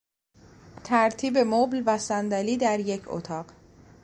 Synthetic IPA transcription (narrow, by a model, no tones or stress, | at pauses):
t̪ʰæɾt̪ʰiːbe̞moblvæsænd̪æliːd̪æɾje̞cʰo̰t̪ʰɒːɢ